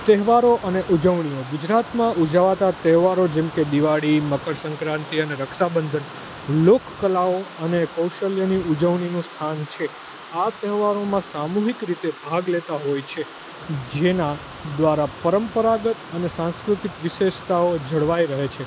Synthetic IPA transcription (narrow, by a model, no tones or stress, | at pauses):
t̪ɛɦʋaɾoʔəneʔud͡ʒəʋɳioɡud͡ʒɾat̪mãud͡ʒaʋat̪at̪ɛɦʋaɾod͡ʒɛmked̪iʋaɽiməkəɽsə̃ŋkɾãnt̪iəneɾəkʃabənd̪ʱən | lokkəlaoənekəwʃəljəniud͡ʒəʋɳinũst̪ʰant͡ʃʰe | at̪ɛɦʋaɾomãsamuɦikɾit̪ebʱaɡlet̪aɦojt͡ʃʰe | d͡ʒena | d̪ʋaɾapəɾəmpəɾaɡət̪ənesãnskɾut̪ikʋɪʃeʃt̪aod͡ʒʱəɽʋaiɾəɦet͡ʃʰe